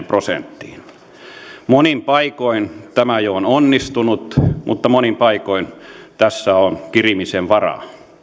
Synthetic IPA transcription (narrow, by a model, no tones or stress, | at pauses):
prosḛnt̪ːiːn | monimpɑikoint̪æmæjoononːist̪unut̪mʔut̪ːɑmonimpɑikoint̪æsːæonkirimiseʋʋɑrɑ̰